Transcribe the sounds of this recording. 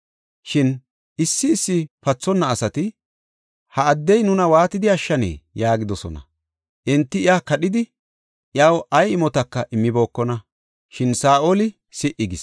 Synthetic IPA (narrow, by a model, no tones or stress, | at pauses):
ʃɪn | ɪsːɪːsːɪpɐt͡sːɔnːɐːsɐt̪ɪ | hɐːd̪ːɛjnʊnɐwaːt̪ɪd̪ɪɐʃːɐnḛːjaːɡɪd̪ɔsɔ̰nɐ̰ | ʔɪnt̪ːɪɪjaːkɐɗɪd̪ɪ | ʔɪawʔɐjɪmɔt̪ɐkːɐʔɪmːɪbo̞ːkːɔnɐ | ʃɪnsaːʔolɪ | sɪʔɪɡɪs